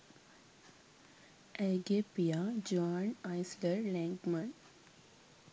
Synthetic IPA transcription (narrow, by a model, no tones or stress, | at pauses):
ɛɡepijad͡ʒaːnaɪsləɾlɛ̃ŋkmə̃n